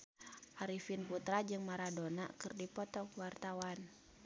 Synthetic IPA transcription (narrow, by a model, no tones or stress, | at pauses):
ʔaɾifinput̪ɾad͡ʒɨŋmaɾadona̰kɨrdipɔt̪ɔkwart̪awan